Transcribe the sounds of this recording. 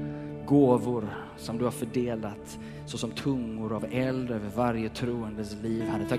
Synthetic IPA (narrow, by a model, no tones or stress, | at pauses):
ɡoːvʊɾ | sɔmd̪ɵhaɾfœɖeːlat̪ | sɔsɔmt̪ʰɵŋːʊɾavɛld̪øːvəɾvaɾjət̪ʰɾuːənd̪əsliːvhad̪ːət̪ʰɑ